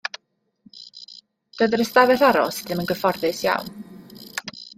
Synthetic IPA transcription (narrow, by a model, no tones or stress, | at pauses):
d̥əðəɾəstavɛθaɾɔ̰sðɪmənɡəfɔrðɨsja̰wn